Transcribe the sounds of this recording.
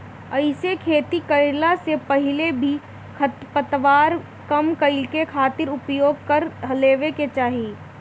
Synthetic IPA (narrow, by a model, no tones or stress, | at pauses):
ɐɪsekʰeːt̪ikɐɪɾlasepɐɦɪlebʱi | kʰɐt̪pət̪ʋaːɾ | kɐmkɐɪlkekʰaːt̪ɪɾʊpjoːɡ̚kɐɾɦɐleːʋeket͡ʃaːɦieː